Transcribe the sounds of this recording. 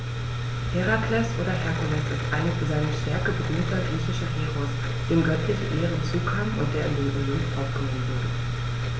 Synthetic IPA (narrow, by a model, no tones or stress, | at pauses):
hɛʁakʰlɛsʔoːɾɐʔɛɐkʊlɛsɪstʔaɪnzaɪnəʃtɛɐkəbədyːntɐɡʁiːçɪʃɐɦeːʁʊs | d̥eːmɡœtlɪçəʔeːʁənt͡suːkʰaːmʊ̰nt̚d̥eːɐɪndeːnʔolɪmpʔapɡ̥ənɔmən̩vʊɐdə